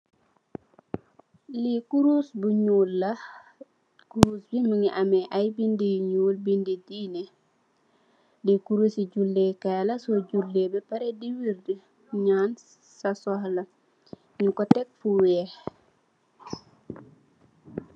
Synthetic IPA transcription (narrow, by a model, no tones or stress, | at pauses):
likuɾusbuɲuːlːɐ | kuɾusbiməŋiʔɐmɛʔɐjbindiɲuːlbindidiːnɛ | likuɾusiɟulːekalɐsɔɟulːebɛpɐɾɛdiwiɾdə | ɲaːn | sɐsɔhlɐ | ɲukɔtɛk̚fuwɛːh